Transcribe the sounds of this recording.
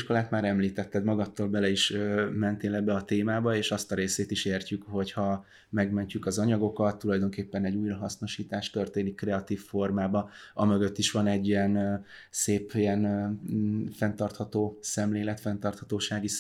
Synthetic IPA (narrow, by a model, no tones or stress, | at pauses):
ʃko̞laːt̪maːɾɛmliːt̪ɛt̪ːɛd̪mɒɡɒt̪ːoːlbɛlɛiʃømɛnt̪eːlɛbːɛɒt̪eːmaːbɒeːʃɒst̪ɒɾeːseːt̪iʃeːrcykho̞chɒ | mɛɡmɛɲcykɒzɒɲɒɡo̞kɒt̪ːulɒjd̪o̞ŋkeːpːɛnɛɟːuːjɾɒɦɒsno̞ʃiːt̪aːʃt̪ø̞rt̪eːnikːrɛɒt̪iːfːo̞rmaːbɒɒmø̞ɡø̞t̪ːiʃʋɒnɛɟːijɛnseːpːijɛn | fɛnt̪ɒrt̪hɒt̪oːsɛmleːlɛt̪fɛnt̪ɒrt̪hɒt̪oːʃaːɡi